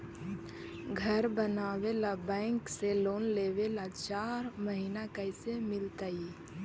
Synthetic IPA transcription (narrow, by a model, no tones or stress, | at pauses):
ɡʱəɾbənaːwelabɛ̃ːŋkseloːnleːʋelat͡ʃaːɾməɦiːnakəɪsemɪlt̪ai